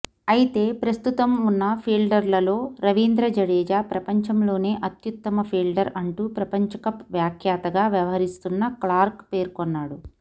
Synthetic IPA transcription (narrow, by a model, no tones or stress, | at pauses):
ɐjit̪e̞ːpɾɐst̪ut̪ɐmunːɐpʰiːlɖɐɾlɐlo̞ːɾɐʋind̪ɾɐd͡ʒɐɽeːd͡ʒaːpɾɐpɐɲt͡ʃɐmlo̞ːne̞ːʔɐt̪jut̪ːɐmɐpʰiːlɖɐɾɐɳʈuːpɾɐpɐɲt͡ʃɐkɐpʋjaːkʰjaːt̪ɐɡaːʋjɐʋɐɦɐɾist̪unːɐklaːɾkpe̞ːɾkonːaːɽu